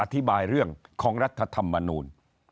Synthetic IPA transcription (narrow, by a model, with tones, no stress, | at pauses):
ʔa˧t̪ʰi˦˥baː˧jɾɯ˥˩əŋkʰɔː˩˦ŋɾa˦˥t̪ʰːa˧t̪ʰa˧mːa˧nuː˧n